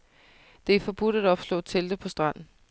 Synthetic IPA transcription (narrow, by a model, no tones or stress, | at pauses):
d̥e̝æfɒ̽b̥ud̥æɾɒ̽b̥slɔ̰̽ːt͡sʰeld̥əpʰɒ̽sd̥ʁɑ̈n̰n̩